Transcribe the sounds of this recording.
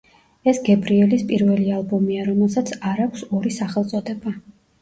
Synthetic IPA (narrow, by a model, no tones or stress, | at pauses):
ɛsɡɛbɾiɛlispʼiɾvɛlialˠbɔmiaɾɔmɛlˠsat̪sʰaɾakʷʰsɔɾisaχɛlˠt̪sʼɔd̪ɛba